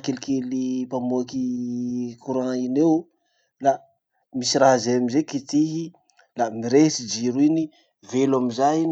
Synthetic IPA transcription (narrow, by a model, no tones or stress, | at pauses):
kelikelipamoaki | kuɾãinew | la | misiɾaɦazeamizekit̪iɦi | lamiɾesid͡ʒiɾuini | velamizain